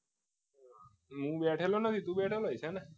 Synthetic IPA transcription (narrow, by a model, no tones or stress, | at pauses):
ɦũːbɛʈʰelonət̪ʰit̪ũbɛʈʰeloɦəjsɛna